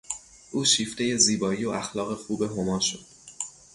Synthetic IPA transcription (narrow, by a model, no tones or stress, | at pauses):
ʔuːʃiːft̪e̞je̞ziːbɒːiːoʔæxlɒːɣe̞xuːbe̞ɦo̞mɒːʃod̪̥